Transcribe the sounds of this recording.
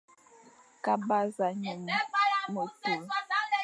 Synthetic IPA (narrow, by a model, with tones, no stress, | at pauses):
ka˨ba˦za˨ɲə˨m˦mo˨tə˨˦